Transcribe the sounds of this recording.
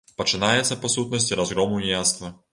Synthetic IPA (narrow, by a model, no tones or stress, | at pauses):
pɐt͡ʃɨnajɛt̪sːɐpɐsut̪̚nɐsʲtʲiɾɐzɣɾɔmunʲjast̪vɐ